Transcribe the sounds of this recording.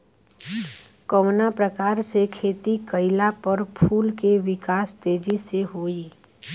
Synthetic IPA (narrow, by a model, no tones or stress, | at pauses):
kəwnapɾəkaːɾsekʰeːt̪ikəɪlapəɾpʰuːlkeʋɪkaːst̪eːd͡ʒiseɦoːi